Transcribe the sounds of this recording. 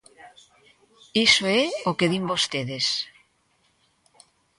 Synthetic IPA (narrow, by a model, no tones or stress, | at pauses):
isoɛokeðimbost̪eðes